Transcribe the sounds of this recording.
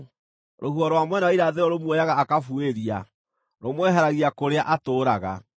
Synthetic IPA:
ɾʔohuɔɾwamwɛnaiɾaðeɾɔɾomwejaɣaːkafueɾia | ɾomwɛɦɛɾaɣiakoɾeaʔatoːɾaɣa̰

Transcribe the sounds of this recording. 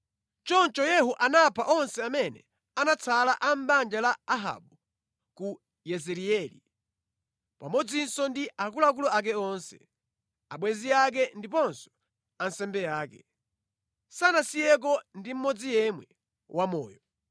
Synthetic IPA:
t͡ʃɔnt͡ʃɔjɛɦuʔanapʰaʔɔnsɛamɛnɛ̰ | anat͡sʰalaʔam̩band͡ʒalaaɦa̰ɓu | ku | jɛzɛɾiɛli | pamɔd͡zinsɔndiakulak̬ulɔak̬ɛɔnsɛ̰ | aɓwɛziak̬ɛndip̬ɔnsɔ̥ | ansɛmbɛjaːkɛ | sanasijɛk̬ɔndim̩mɔd͡zijɛmwɛ | wʔamɔ̰ːjɔ

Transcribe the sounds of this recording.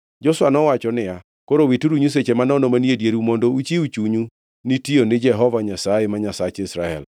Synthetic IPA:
d͡ʒɔswanɔwat͡ʃɔnɪja | koɾowituɾuɲus̬et͡ʃemanɔnɔmanjedjeɾumondout͡ʃiut͡ʃuɲu | nitionɪd͡ʒɛɦɔvaɲasajemaɲasat͡ʃɪsɾaɛ̰l

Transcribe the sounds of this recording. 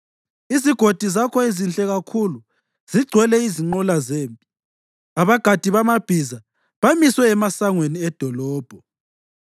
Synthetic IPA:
iziɡ̥ʱod̥ʱizakʰɔizint͡ɬʼɛɣakʰulu | z̥iɡ͡ǀʱwɛlɛiziŋ͡ǃɔlazeːmpʼi̥ | aβaɡ̥ʱad̥ʱiβamab̥ʱiza | βamiswɛːmasaŋweniɛd̥ʱɔlɔːb̥ʱɔ

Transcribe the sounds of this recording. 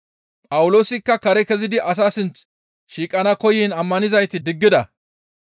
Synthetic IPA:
pʼɐwʊlo̞ːsɪkːɐkɐɾɛkɛzɪd̪ɪʔɐs̬aːsɪnt͡s | ʃiːkʼɐnɐkɔjeːnɐmːɐnɪzɐjt̪ɪd̪ɪɡːɪd̪ɐ

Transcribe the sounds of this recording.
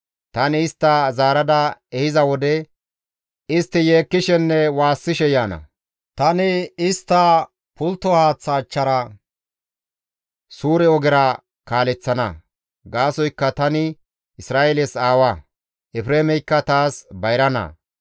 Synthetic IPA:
t̪ɐnɪːst̪ːɐzaːɾɐd̪ɐɛhɪzɐwɔd̪ɛ | ɪst̪ːɪje̞ːkːɪʃɛnːɛwaːsːɪʃɛjaːnɐ̰ | t̪ɐnɪɪst̪ːɐ | pʊlt̪ːɔhaːt͡sːɐːt͡ʃːɐɾɐ | suːɾɛɔɡɪɾɐ | kaːlɛt͡sːɐnɐ̰ | ɡaːsɔjkːɐt̪ɐnɪ | ɪsɾaːelɛsaːwɐ | ʔɛpɾeːmɛjkːɐt̪aːsbɐjɾɐnɐ̰

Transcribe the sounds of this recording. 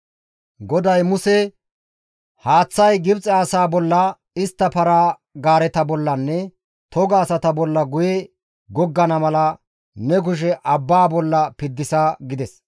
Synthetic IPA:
ɡɔd̪ɐjmʊsɛ | haːt͡sːɐjɡɪbt͡sʼɛɐsaːbɔlːɐ | ɪst̪ːɐpɐɾaː | ɡaːɾɛt̪ɐbɔlːɐnːɛ | t̪ɔɡaːsɐt̪ɐbɔlːɐɡʊjɛ | ɡɔɡːɐnɐmɐlɐ | nɛɡ̬ʊʃ̬ɛʔɐbːaːbɔlːɐpɪd̪ːɪsaɡɪd̪ɛs

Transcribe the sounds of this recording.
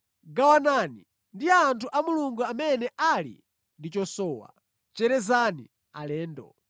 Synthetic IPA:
ɡawanani | ndiaːntʰuʔamuluŋɡuamɛnɛʔalḭ | ndit͡ʃɔsɔːwa̰ | t͡ʃɛɾɛzani | a̰lɛːndɔ̰

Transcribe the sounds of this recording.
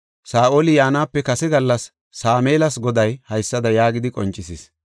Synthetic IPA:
saːʔoːlɪjaːnaːpːɛkɐsɛɡɐlːɐsː | aːmeːlɐsɡɔd̪ɐjhɐjsːɐd̪ɐjaːɡɪd̪ɪkʼɔ̰nt͡ʃʼːɪsis

